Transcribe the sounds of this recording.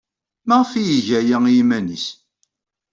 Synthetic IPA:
mæʁfijiʝæjæimænḭs

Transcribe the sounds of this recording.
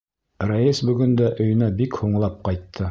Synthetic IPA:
rajisbɵ̆ɡɵ̆nd̪æʔɵ̆jɵ̆næbikhuɴlˠɑp̚qɑjt̪ʰːɤ

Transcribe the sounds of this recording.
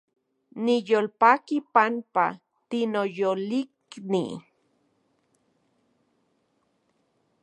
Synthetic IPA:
nijoːlpakipanpa̰ | t̪inojoliknḭ

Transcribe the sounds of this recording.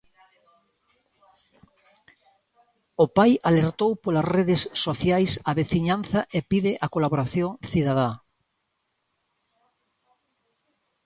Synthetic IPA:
ʊpajaleɾt̪owpolasreðɪsːoθjajsaβeθiɲanθɐʔepiðɪʔakolaβoɾaθjoŋθiðaða

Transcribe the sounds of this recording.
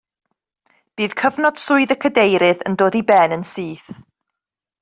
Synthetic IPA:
b̥iːðkʰəvnɔd̥sʊɨðəkʰədejɾɪðə̰ndoːdibɛnənsiːθ

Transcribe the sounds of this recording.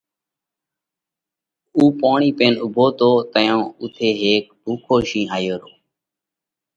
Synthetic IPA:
uːpaːɳiːpeːnʊbʱoːt̪oːt̪əjõːʊt̪ʰeːɦeːk̚bʱuːkʰoːʃĩːaːjoːɾoː

